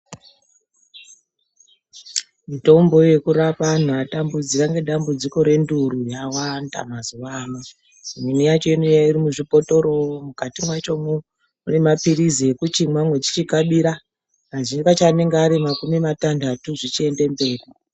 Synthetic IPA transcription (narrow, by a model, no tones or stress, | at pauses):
mito̞mbo̞je̞kuɾapan̤uatambud͡zikaŋɡe̞ɗambud͡ziko̞ɾe̞nduɾujawanda̰mazuʋama | minijat͡ʃo̞inujairimuʐipoto̞ɾo̞mukatimwat͡ʃo̞mu | une̞mapiɾizekut͡ʃimwamwe̞t͡ʃi̥t͡ʃikaɓiɾa | aʐikat͡ʃane̞ŋɡeaɾimakumimatandatuʐit͡ʃie̞nde̞mbe̞ːri